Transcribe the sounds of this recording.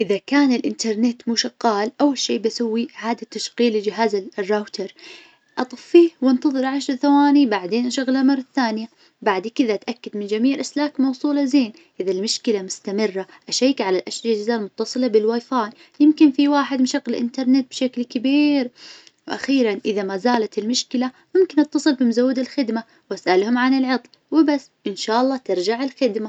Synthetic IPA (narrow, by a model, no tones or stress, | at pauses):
ʔɪðakaːnɪlʔɪ̰nt̪ɑɾˤnɪt̪muʃaqːɑːlʔawːalʃeːbasawːiʕaːd̪at̪ːaʃqiːlɪd͡ʒɪɦaːzarˤːaːwt̪ɑɾˤ | ʔɑt̪ˤɨfːiːwɪnt̪ɑðˤɨɾʕaʃɾˤθawaːnibaʕd̪eːnʔaʃaɣlamɑrˤːɑθːaːnɪja | baʕd̪kɪðat̪ʔakːad̪mɪnd͡ʒamiːʕɪlʔaslaːkmɑwsˤuːlɑzeːn | ʔɪðalmʊʃkɪlamʊst̪amɪrːaʔaʃajːkʕalalʔaʃd͡ʒazaːlmʊt̪ːɑsˤɨlabɪlwaːjfaːn | jɪmkɪnfiwaːħɪd̪mnʃaɣlɪʔɪ̰nt̪ɑɾˤnɪt̪̚bʃaklkabiːɾwʔa̰xiːɾanʔɪðamazaːlat̪ɪlmʊʃkɪla | mʊmkɪnʔɑt̪ːɑsˤɨlbɪmʊzawːɪd̪ɪlxɪd̪ma | wʔasʔalhʊmʕanɪlʕɑt̪ˤl | wɪbasːʔɪnʃaːʔɑlˤːɑːt̪ɪɾˤd͡ʒaʕɪlxɪd̪ma